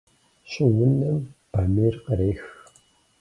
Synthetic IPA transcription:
ɕʼɪwʊnɐmb̥amirqəɾeːx

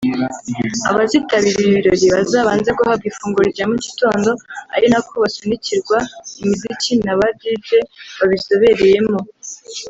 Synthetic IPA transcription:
aβazitaβiɾiiβiɾo̞ɾiβazaːβaːnze̞ɡuhabɡifuːŋɡuɾiɾɟamici̥to̞ːndo̞a̰ɾinakoβasunicʰiɾɡwaimizicʰinaβabɟiːze̞βaβiso̞βe̞ɾe̞je̞mo̞

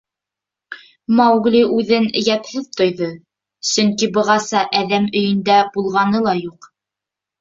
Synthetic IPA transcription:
mɑwɡlʲiʔʉðɘnɘ̆jæp̪hɘðt̪ŏjðɤ | sɵŋkibɤ̆ʁɑsɑʔæðæmɵ̆jɘ̆nd̪æbulˠʁɑnɤlˠɑjuq

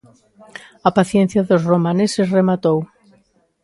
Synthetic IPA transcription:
apaθjen̟θjaðozromanesezremat̪ow

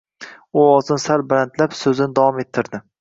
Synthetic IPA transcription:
ʊɒzɪnɪsalbɪɾant̪lapsɵzɪnɪd̪avɒme̞t̪ʰːɪɾd̪ɪ

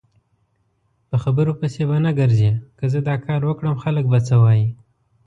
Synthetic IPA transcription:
pəxabəɾopəsebanaɡəɾzekəzəd̪ɑkɑɾwəkɽəmxalək̚bat͡səwɑji

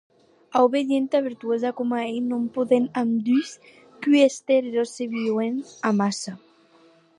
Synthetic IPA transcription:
awβeðjent̪aβeɾt̪uezakomaejnompoðenamd̪ys | kyest̪eɾeɾoseβiwenamasa

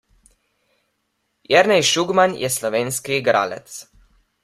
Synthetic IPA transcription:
jɛɾnɛjʃuɡmanjʔɛsloʋeːnskiɡɾa̰lɛ̰t̪s

